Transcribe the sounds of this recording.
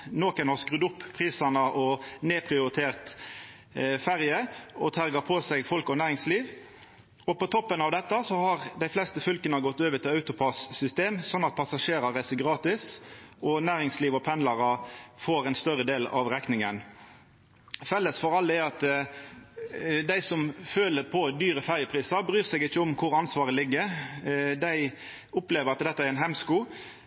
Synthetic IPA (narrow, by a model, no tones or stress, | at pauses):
noːkənhɑskʁʉːd̪ʊpːʰʁiːsɑnəʔɔneːpʰʁɪʊɾɪt̪ʰeːʁt̪ | fæʁjəɔt̪ʰæɾɡəpʰɔsɛɡfɔlkɔnæːɾɪŋsliːʋ | ɔpɔt̪ʰɔpːənɑʋd̪ɛt̪ːəsɔhɑʁd̪æɪflɛst̪əfʏlkənəɡɔt̪ːøːʋət̪ʰɪlɑʉt̪ʊpʰɑsːʏst̪eːmsɔnːɑt̪̚pʰɑsɑʂeːɾɑɾæɪsəɡʁɑːt̪ɪsɔnæːɾɪŋsliːʋɔpʰɛnlɑɾɑfoːɾɛɪnst̪œɾəd̪eːlɑ̰ʋʁɛknɪŋən | fɛlːəsfɔɾɑlːɛɑt̪ | d̪æɪsɔmføːləpʰɔd̪yːɾəfæʁjəpʰɾiːsɑbɾyːʁsɛɡɪçːəɔmkʰʊɾɑnsʋɑːʁəlɪɡːə | d̪æɪ | ʊpleːʋəɾɑt̪d̪ɛt̪ːəæɾɛnɦhɛmskuː